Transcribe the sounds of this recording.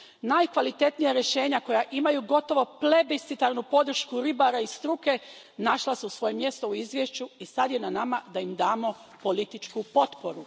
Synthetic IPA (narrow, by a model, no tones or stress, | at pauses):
najkʋalit̪e̞t̪nijaɾje̞ʃe̞ːɲako̞jaʔimajuɡo̞t̪o̞ʋo̞ple̞bist̪it̪aɾnupo̞d̪r̩ʃkuɾibaɾaist̪ɾuke̞ | naʃlasuusʋo̞jemje̞st̪o̞uizʋʲje̞ʃt͡ɕuisad̪je̞nanamad̪aimd̪aːmo̞po̞lit̪it͡ʃkupo̞t̪po̞ɾu